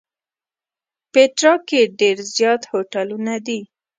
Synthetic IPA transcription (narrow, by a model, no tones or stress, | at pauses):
peʈɾɑkeɖeɾzjɑt̪hoʈalunad̪i